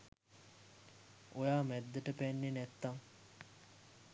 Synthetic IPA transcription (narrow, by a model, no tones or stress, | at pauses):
ojaːmɛd̪ːɐʈəpænːenæt̪ːaŋ